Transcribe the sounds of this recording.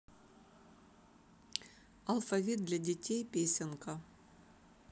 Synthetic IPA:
ɐlˠfɐvʲit̪̚d̪lʲadʲetʲejpʲesʲenkɐ

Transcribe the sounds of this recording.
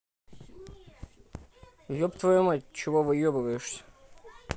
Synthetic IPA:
jopt̪vɐjomɐtʲt͡ɕɪvovɨjobɨvəjɪʂsʲə̥

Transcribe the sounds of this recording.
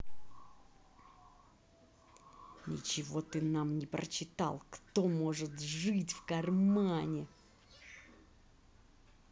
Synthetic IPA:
nʲɪ̰t͡ɕɪvo̞t̪ɨnamnʲɪpɾə̰t͡ɕːɪt̪a̰lˠkt̪omoʐɨt̪ʐɨtʲfkɐrmanʲɪ

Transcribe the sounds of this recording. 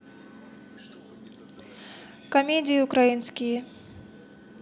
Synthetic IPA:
kɐmʲedʲɪjʊkɾɐjinskʲɪj

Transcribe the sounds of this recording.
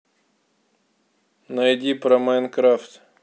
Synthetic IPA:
nɐjdʲipɾɐmankɾaft̪

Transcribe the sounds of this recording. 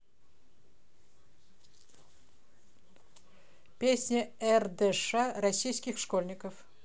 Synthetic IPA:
pʲesʲnʲəɛrd̪ɛʂaɾɐsʲijskʲɪxʂkolʲnʲɪkəf

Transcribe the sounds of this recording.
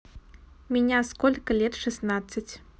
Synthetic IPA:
mʲinʲaskɔlʲkɐlʲɛt̪ʂɨsnat̪sːɐt͡sʲ

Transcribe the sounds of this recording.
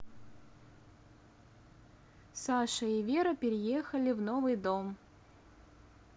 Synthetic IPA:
saʂəivʲeɾəpʲɪɾʲɪjexəlʲɪvnovɨjd̪om

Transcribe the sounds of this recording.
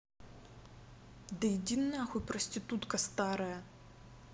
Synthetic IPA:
d̪ɐjɪdʲinːɐjɐxujpɾɔsʲtʲit̪ut̪kɐst̪ɑɾɐjɐ

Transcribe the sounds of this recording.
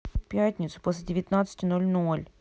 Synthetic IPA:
pʲætʲnʲɪt̪sʊ̥posʲlʲɪdʲɪvʲɪt̪nat̪sɨ̥tʲɪno̞lʲno̞lʲ

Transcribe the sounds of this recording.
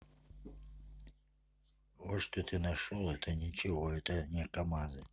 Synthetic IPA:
vɔʂt̪ɔt̪ʰɨnɐʂɔlˠɛt̪ʰɐnʲit͡ʃɪvɔɛt̪ɐnʲɛkɐmazɨ

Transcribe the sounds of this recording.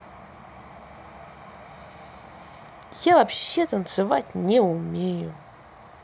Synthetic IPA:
javɐpɕːet̪ənt̪sɨvatʲnʲɛʊmʲejʊ

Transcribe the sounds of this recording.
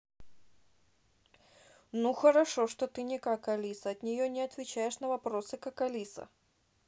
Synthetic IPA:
nuxəɾɐʂoʂt̪ot̪ɨnʲɪkɐkɐlʲisəɐt̪nʲɪjonʲɪɐt̪vʲɪt͡ɕæjɪʂnəvɐpɾo̞sɨkɐkɐlʲisə̰

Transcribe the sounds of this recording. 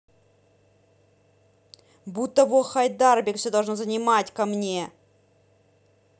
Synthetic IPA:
but̪ːəvoxajd̪arbʲɪkfsʲod̪ɐlˠʐnozənʲɪmatʲkɐmnʲe

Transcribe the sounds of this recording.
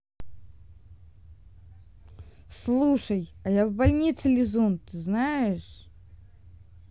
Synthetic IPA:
slˠuʂəjɐjavbɐlʲnʲit̪sɨlʲɪzunt̪ɨznajɪʂ

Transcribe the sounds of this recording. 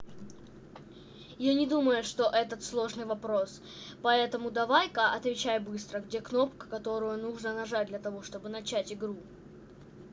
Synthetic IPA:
janʲɪd̪uməjʊʂt̪o̞ʔɛt̪ət̪slˠo̞ʐnɨjvɐpɾo̞s | pɐɛt̪əmʊd̪ɐvajkaʔɐt̪vʲɪt͡ɕæjbɨst̪ɾəɡdʲe̞kno̞pkə̥kɐt̪o̞ɾʊjʊnuʐnənɐʐat̚ʲd̪lʲɐt̪ɐvo̞ʂt̪o̞bɨnɐt͡ɕætʲɪɡɾu

